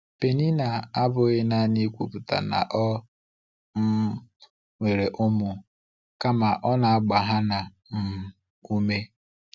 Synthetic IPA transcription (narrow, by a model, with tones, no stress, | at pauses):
pe˨ni˦na˨a˦bʊ˨e˦na˦˨ni˦kʷu˨pʊ˨ta̰˨na̰˨ʔɔ˦ | m̩˦ | ŋʷe˨ɾe˨ʔʊ˦mʊ˨ | ka˦ma˨ʔɔ˦na˨a˦˨ɡ͡ba˨ɦa˦na˨ | m̩˨ | u˦me˦